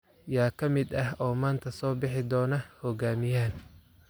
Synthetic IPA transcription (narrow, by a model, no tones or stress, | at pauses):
jaːkʰɐmɪd̪ɐɦɔːmaːnt̪ʰɐsɔːbɪħɪd̪ɔːnɐhɔɡaːmɪjaːn